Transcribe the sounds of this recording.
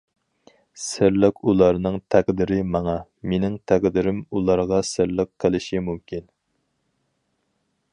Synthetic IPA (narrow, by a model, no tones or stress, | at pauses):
sɪɾlɪkulˠɑɾnɨŋt̪ʰæqd̪ɪɾɪmɑŋɑ | menɪŋt̪ʰæqd̪ɪɾɪmulˠɑɾʁɑsɪɾlɪqqʰːəlˠɪʃimumkʲin